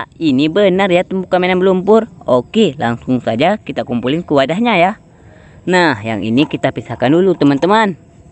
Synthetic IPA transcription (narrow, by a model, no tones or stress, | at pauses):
ainibənarjat̪əmbukamenanbəlumpʊrokelaŋsʊŋsad͡ʒakit̪akumpulɪnkəwadahɲaja | nahja̰ŋḭnikit̪apisahkandulut̪əmant̪əman